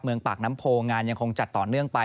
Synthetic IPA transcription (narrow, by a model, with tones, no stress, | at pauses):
p̚mɯ˧əŋpaː˨˩k̚na˦˥mpʰoː˧ŋaː˧nja˧ŋkʰo˧ŋt͡ɕa˨˩t̪ːɔː˨˩nɯ˥˩əŋpa˧